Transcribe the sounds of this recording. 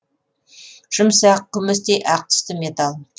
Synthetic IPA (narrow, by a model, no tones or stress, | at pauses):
ʒ̥əmsæqʰːʊmɪs̬t̪ejʔɑq̚t̪ʰə̥st̪əmet̪alˠ